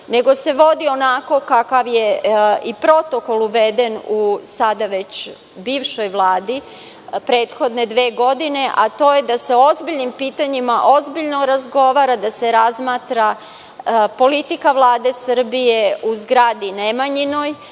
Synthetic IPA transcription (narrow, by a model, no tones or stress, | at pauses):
ne̞ɡo̞se̞ʋo̞d̪io̞nako̞kakaʋjeipɾo̞t̪o̞ko̞lˠuʋe̞d̪e̞nusad̪aʋe̞t͡ɕ | biːʋʃo̞jʋlˠaːd̪i | pɾe̞ːt̪xo̞d̪ne̞d̪ʋeːɡo̞d̪ine̞ʔat̪o̞ːjed̪ase̞ozbiʎnimpiːt̪aɲimaʔozbiʎno̞ɾazɡo̞ʋaːɾad̪ase̞ɾazmaːt̪ɾa | po̞lit̪ikaʋlˠaːd̪e̞sər̩bije̞uzɡɾaːd̪inemaɲino̞j